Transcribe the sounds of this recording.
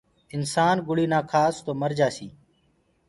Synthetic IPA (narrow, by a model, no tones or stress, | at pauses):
ɪnsaːnɡʊɽiːnaːkʰaːst̪oːməɾd͡ʒaːsiː